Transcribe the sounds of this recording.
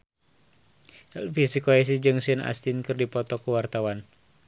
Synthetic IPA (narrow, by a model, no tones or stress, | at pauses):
lfisikoɛs̬id͡ʒɨŋsəna̰st̪inkɨrdipɔt̪ɔkuwart̪awan